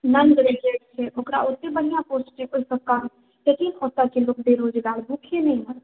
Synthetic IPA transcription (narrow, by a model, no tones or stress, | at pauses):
nɐnd̪ɾekekt͡ʃʰebʱokɾa̰ʊt̪ːẽbɐɽijãpoːsʈẽʊkəkaːm | jɐkiːnɔːt̪akilʊk̚ʰbeːɾoːd͡ʒɡaːɾbʱuːkʰenɐɦĩɦa